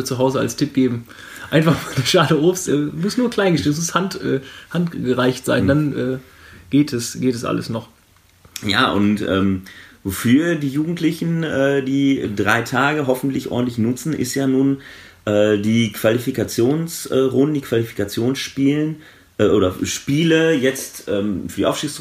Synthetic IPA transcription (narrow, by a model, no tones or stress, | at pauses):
t͡suɦaʊzəa̰lstʰɪp̚ɡ̥eːbm̩ | ʔaɪnfaχmaduʃaːdəʔoːfstʔɛːmʊstnuːɐkl̥aɪnɡəʃeːnmʊshantʔɛːhantɡ̥əʁaɪçtz̥a̰ɪnndanʔɛː | ɡ̥eːtɛsɡ̥eːtɛsʔa̰ləsnɔχ | ja̰ːʔʊ̰ntʔɛ̰ːmvofyːɐdiːjuːɡŋ̩tlɪçn̩ʔɛːdiːdʁaɪtʰaːɡəɦɔfn̩tlɪçʔɔ̰ːdn̩tlɪçnʊt͡sn̩ʔɪ̰stjaːnuːn | ʔɛːdiːkv̥alifikat͡sjoːnsʔɛːʁʊndn̩diːkʰv̥alifi̥kat͡sjoːnsʃpiːlən | ʔɛːʔoːɾɐʃpiːləjɛt͡stʔɛːmfyːɐdiʔa̰ʊʃtiːksʁ